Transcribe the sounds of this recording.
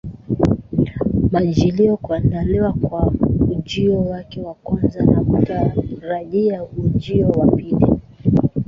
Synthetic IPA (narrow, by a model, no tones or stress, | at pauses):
maʄiliɔkuandaliwakwaud͡ʒiɔwakɛwakwanzanakutaɾaʄiaud͡ʒiɔwapili